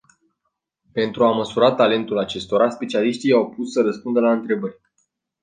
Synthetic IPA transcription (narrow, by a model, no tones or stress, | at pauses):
pe̞nt̪ɾuaməsuɾat̪ale̞nt̪ulat͡ʃe̞st̪o̞ɾaspe̞t͡ʃialiʃt̪ijawpusːəɾəspund̪əlaɨnt̪ɾe̞bərʲ